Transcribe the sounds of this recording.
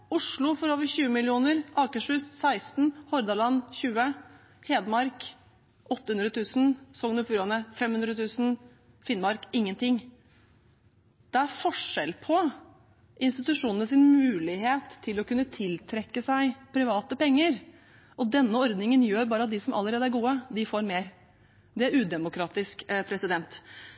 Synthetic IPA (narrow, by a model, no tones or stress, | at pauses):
ʊʂɭʊfɔɾoːʋəɾçʉːəmɪlɪuːnəɾʔɑːkəʂʉːsːæɪst̪n̩hɔɾd̪ɑlɑnːçʉːə | heːd̪mɑɾk | ʔɔt̪ːəhʉnd̪ɾət̪ʰʉːsn̩sɔŋnʊfʉːɾɑnəfɛmhʉnd̪ɾət̪ʰʉːsn̩ | fɪnmɑɾkɪŋːənt̪ɪŋ | d̪̥ɛæɾfɔʂɛlpʰɔ | ʔɪnst̪ɪt̪ʉʂuːnənəsɪnmmʉːlɪɦeːt̪ʰːɪlɔkʉnːət̪ʰɪlt̪ʰɾɛkːəsæɪpʰɾɪʋɑːt̪əpɛŋːəɾ | ʔɔd̪ɛnːəɔɾd̪nɪŋənjøːɾbɑːɾəɑt̪̚d̪ɪsɔmʔɑ̰lːəɾeːd̪əæɾɡuːəd̪ɪfoːɾmeːɾ | d̪ɛæɾʉːd̪ɛmʊkʰɾɑːt̪ɪskpʰɾɛsɪd̪ɛnt̪